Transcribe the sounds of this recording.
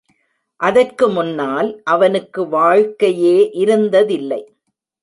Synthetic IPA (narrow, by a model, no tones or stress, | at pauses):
ʔɐðɐrkɯmʊnːaːlʔɐʋɐnɯkːɯʋaːɻkɐjeːʔɪɾɯnd̪ɐðɪlːɐɪ